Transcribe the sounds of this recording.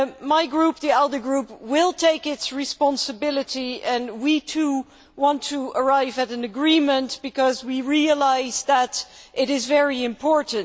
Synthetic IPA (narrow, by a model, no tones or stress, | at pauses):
maɪɡɹup̚ðiɛlˠdə˞ɡɹupwɪlˠtʰeɪkɪtsɹɨspɑ̃nsɨbɪlˠɨɾiɨ̃nwitʰu | wɑ̃ntʰəə˞aɪvɨɾɨ̃nɨɡɹĩmə̃ntb̥ɨkʌzwiɹiəlaɪzðəɾʔɪɾɪzvɛɹiɨ̃mpʰɔɹʔn̩